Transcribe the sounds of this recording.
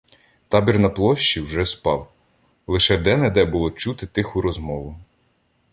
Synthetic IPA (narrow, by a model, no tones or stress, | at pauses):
t̪ɑbʲirnɐplˠɔʃt͡ʃiwʒɛspɑw | lˠɪʃɛd̪ɛnɛd̪ɛbʊlˠɔt͡ʃut̪ɪt̪ɪxʊɾɔzmɔʋʊ